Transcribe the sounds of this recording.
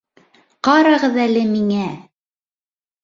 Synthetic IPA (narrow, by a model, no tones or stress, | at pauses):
qɑɾɑʁɤðælɘmiŋæ